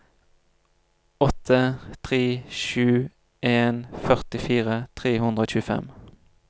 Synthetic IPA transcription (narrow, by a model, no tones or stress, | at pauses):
ɔt̪ʰət̪ʰʁeːʃʉː | ʔeːnfœʁt̪ɪfiːʁət̪ʰʁeːhʉnd̪ʁəoːçʉːəfɛ̰m